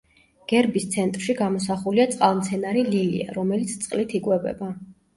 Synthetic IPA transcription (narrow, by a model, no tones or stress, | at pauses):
ɡ̥ɛɾbist̪sʰɛnt̪ʼɾʃiɡamɔs̬aχuliat̪sʼqʼalˠmt̪sʰɛnaɾililḭa̰ɾɔmɛlit̪sʰt̪sʼqʼlit̪ʰikʼwɛbɛ̰ba